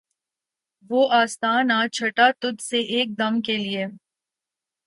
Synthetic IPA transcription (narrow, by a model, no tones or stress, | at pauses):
ʋoːʔaːst̪aːnat͡ʃʰɐʈat̪ʊd̪seʔeːk̚d̪ɐmkelie